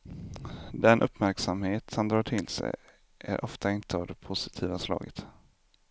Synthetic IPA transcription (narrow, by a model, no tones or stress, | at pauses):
d̪ɛnʔɵpːmæɾksamheːt̪sɔnd̪ɾɑːʈʰɪlsɛ̰j | ʔæ̰ɾʔɔft̪ʰaɪnt̪əavd̪ɛpʰʊsɪ̥t̪ʰiːvaslɑ̰ːɡət̪